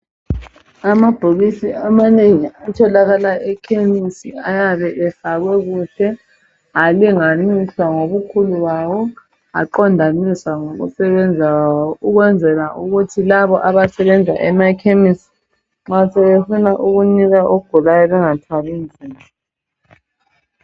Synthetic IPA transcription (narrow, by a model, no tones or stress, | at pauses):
amab̥ʱoɣisiamaneŋiatʰɔlaɣalaʔɛkʰemisiajaβɛʔɛfaɣwɛɣuːtʰɛ | aliŋaniɬwaŋoβukʰuluβawɔ | a̰ǃɔndʱaniswaŋoɣṵsɛβɛnd͡zʱawawɔuɣwɛnd͡zʱɛlaʔuɣutʰilaβɔʔaβasɛβɛnd͡zʱaʔɛmakʰemisi̥ | ŋ͡ǁasɛβefunaʔuɣuniɣaʔoɡ̥ʱulajɔβɛŋatʰwaβind͡zʱiːmʱɔ